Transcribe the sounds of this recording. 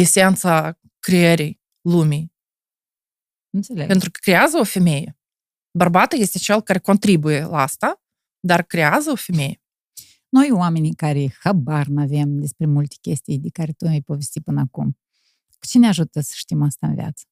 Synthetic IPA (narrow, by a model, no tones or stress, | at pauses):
isʲeant̪sa | kɾieɾʲij | lˠumʲij | ɨnt̪sʲelʲeɡpent̪ɾukə̥kɾʲeazəofʲemʲeje | barbat̪əjesʲt̪ʲet͡ʃelˠkaɾʲeko̞nt̪ɾibujelˠast̪a | d̪arkɾʲeazəofʲemʲeje | no̞jwamʲenʲijkaɾʲexabarnavemd̪ʲespɾʲemulʲt̪ʲe̥kʲesʲt̪ʲijd̪ʲekaɾʲet̪omʲejpovʲesʲt̪ʲipɨnakum | ku̥t͡ʃeneaʒut̪əsə̥ʃt̪ʲimast̪aə̰nvʲj̰a̰t̪sə̥